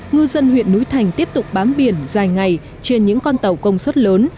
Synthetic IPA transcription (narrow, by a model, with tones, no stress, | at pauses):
ŋɨ˧zə˧nɦwḭ˧˨ənːu˨˦jt̪ʰa˨˩jŋ̟t̪i˦˥əp̚t̪ʊ˨˩k͡p̚ɓaː˨˦mɓi˨˩ənzaː˨˩jŋa˨˩j | t͡ɕe˧nɲɨ̰˧˥ŋkɔ˧nt̪ə˨˩wkə˧wŋ͡mswə˦˥t̚ləː˨˦n